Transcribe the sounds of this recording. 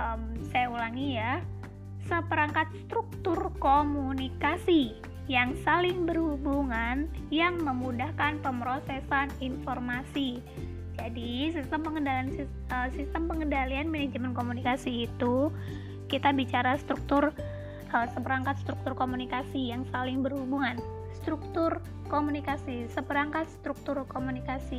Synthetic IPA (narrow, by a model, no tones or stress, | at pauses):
əmsajaulaŋija | səpəɾaŋkat̪̚st̪ɾuk̚t̪ʊrkomunikasi | jaŋsalɪŋbərhubuŋanjaŋməmudahkanpəmɾosesaninformasi | d͡ʒadisist̪əmpəŋədalansi | əsist̪əmpəŋəndalianmined͡ʒəmənkomunikasiːt̪u | kit̪abit͡ʃaɾast̪ɾuk̚t̪ʊr | əsəpəɾaŋkat̪̚st̪ɾuk̚t̪ʊrkomunikasijaŋsalɪŋbərhubuŋan | st̪ɾuk̚t̪ʊr | komunikasisəpəɾaŋkat̪̚st̪ɾuk̚t̪ʊrkomunikasi